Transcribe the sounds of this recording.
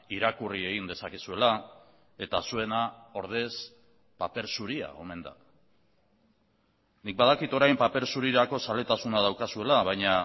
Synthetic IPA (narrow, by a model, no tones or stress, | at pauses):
iɾakurie̞ɣind̪e̞sakesue̞la | e̞t̪asue̞nao̞ɾð̞e̞s | pape̞ɾsuɾia̰o̞me̞nd̪a̰ | nik̚baðakit̪o̞ɾajmpape̞ɾsuɾiɾako̞sale̞t̪asunaðawkasue̞laβajɲa